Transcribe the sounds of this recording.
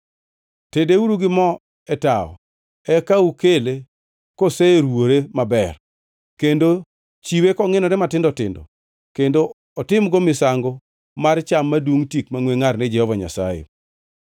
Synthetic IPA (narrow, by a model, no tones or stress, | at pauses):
tedeuɾuɡɪmɔ | ɛtaɔ̰ | ɛkaukele | koseɾwoɾemabɛr | kendo | t͡ʃiwekɔŋɪnɔɾɛmatɪndɔtɪ̰ndɔ̰ | kendo | ɔtɪmɡɔmɪsaŋɡɔ | mart͡ʃamːadwuŋtikmaŋweŋarnɪd͡ʒɛhɔvaɲa̰sa̰jḛ